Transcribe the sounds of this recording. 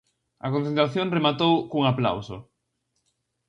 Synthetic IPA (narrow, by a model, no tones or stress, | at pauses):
ɐ̰kõnθẽnt̪ɾaθjoŋremat̪owkuŋapla̰wsʊ̰